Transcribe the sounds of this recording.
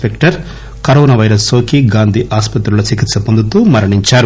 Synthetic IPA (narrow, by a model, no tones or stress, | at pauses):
pekʈɐɾ | kɐɾoːnaʋɐjɾɐsoːkiɡaːnd̪ʱiʔaːspɐt̪ɾuloːt͡ʃikit̪sɐpond̪ut̪uːmɐɾɐɳiɲt͡ʃaːɾu